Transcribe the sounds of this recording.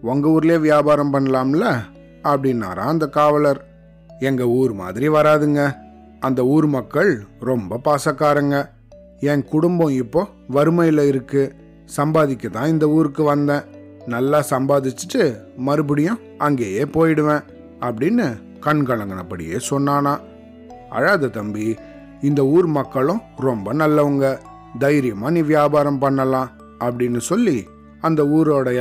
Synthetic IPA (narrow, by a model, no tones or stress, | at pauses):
ɔŋɡɐuːɾɪleːʋɪjaːbaːɾɐmpɐɳːɐlaːmɐlːɐ | ɐpːɐɽɪnːa̰ːɾã̰ːɐnd̪ɐkaːʋɐlɐɾ | ɛŋɡɐuːɾɯma̰ːðɪɾiʋɐɾaːðɯŋɡɐ | ɐnd̪ɐuːɾɯmɐkːɐɭɾɔmbɐpaːsɐkːaːɾɐŋɡɐ | ɛŋkʊɽʊmbɔ̃ɪpːoː | ʋɐɾɯmɐjɪlɐɪɾɯkːɯ | sɐmbaːðɪkʲːɐt̪ãːɪnd̪ɐuːɾɯkːɯʋɐnd̪ɛ̃ː | nɐlːaːsɐmbaːðɪt͡ʃːɯ̥ʈːɯ | mɐɾɯb̬ɪɽɪjʊ̃ | ɐŋɡeːjeːpoːjɪɽɯʋẽː | ɐpːɐɽɪnːɯ | kɐɳkɐɭɐŋɡɐnɐpːɐɽɪ̰jḛːsɔnːaːnaː | ɐ̰ɻaːðɐt̪ɐmbi | ɪnd̪ɐuːɾmɐkːɐɭʊ̃ɾɔmbɐnɐlːɐʋʊŋɡɐ | d̪ɐjɪɾɪjɐmaːniːʋɪjaːbaːɾɐmpɐɳːɐlãː | ɐpːɐɽɪnːɯsɔlːi | ɐnd̪ɐuːɾoːɽɐ